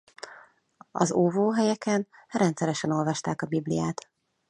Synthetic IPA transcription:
ɒ̰zoːvoːɦɛjɛkɛnrɛnt̪sɛɾɛʃɛno̞lvɒʃt̪aːkɒbiblḭjaːt̪

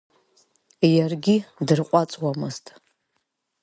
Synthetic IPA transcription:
jarɡʲidɨrqʷʼat͡sʼwamɨztʼ

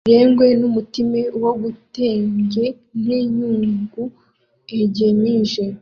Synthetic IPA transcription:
ɾeːŋɡwe̞numutimewoɡuteːɲɡe̞ | n̥eɲuːŋɡu | eɟemiʒe

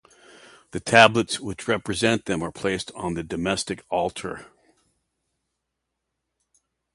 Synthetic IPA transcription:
ðɨtʰæblətswɪt͡ʃɹɛpɹɨzɛ̃nðɨ̃mə˞pʰl̥eɪstn̩ðɨdɨmɛstɨkʰɔlˠtʰə̰˞

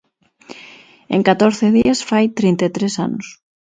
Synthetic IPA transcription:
ḛŋkat̪oɾθeðiasfajt̪ɾint̪et̪ɾesa̰nʊs

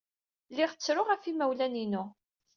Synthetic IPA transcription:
lɪʁt͡sːɾʊʁæfimæwlæninʊ

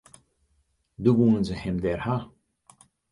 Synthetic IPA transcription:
d̪uʋunənzəhɛmd̪ɛrha

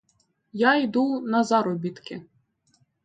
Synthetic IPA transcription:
jajd̪unɐzɑɾɔbʲit̪kɪ

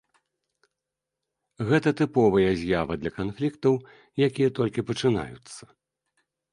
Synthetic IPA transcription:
ɣɛt̪ɐt̪ɨpɔvɐjɐzʲjavɐd̪lʲɐkanflʲikt̪ɐw | jakʲijɐt̪ɔlʲkʲipɐt͡ʂɨna̰jut̪sːɐ̥

